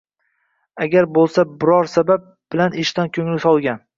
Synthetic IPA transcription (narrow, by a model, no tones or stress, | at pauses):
aɡʲaɾbolˠsabɪɾɒɾsabap̚b̥ɪlanɪʃt̪ankʲʰɵŋlɪsɒlˠɡʲan